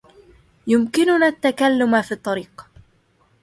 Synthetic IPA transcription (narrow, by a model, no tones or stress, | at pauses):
jʊmkɪnʊnaːt̪ːakalːʊmafiːt̪ˤːɑɾiːq